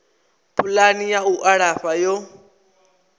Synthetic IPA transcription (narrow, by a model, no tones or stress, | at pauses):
pʰulanijauʔaɺaɸajɔ